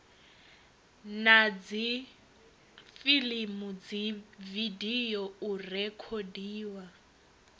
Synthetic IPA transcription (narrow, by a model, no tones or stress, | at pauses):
nad͡zi | filimud͡zividijɔurɛkʰodiːwa